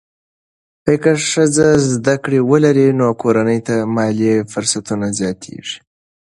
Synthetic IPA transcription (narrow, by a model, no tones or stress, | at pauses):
pəjkəʂəzazd̪akɽewəlaɾinokoɾanəjt̪amɑlifʊɾsat̪unazjɑt̪ʰḛʐi̥